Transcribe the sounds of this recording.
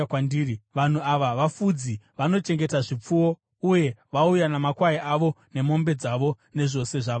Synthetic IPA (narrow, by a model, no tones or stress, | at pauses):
andiiʋan̤uaʋaʋafud͡ziʋano̞t͡ʃe̞ŋɡe̞taʐip͡fuwo̞ | uje̞ʋaujanamakwaiʔaʋo̞ne̞mo̞mbe̞d͡zaʋo̞ | ne̞ʐo̞se̞ʐa